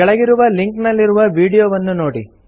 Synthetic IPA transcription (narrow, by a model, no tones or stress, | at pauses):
ɛɭɐɡiɾuʋɐliŋknɐlːiɾuʋɐʋiːɽijoːʋɐnːuno̞ːɽḭ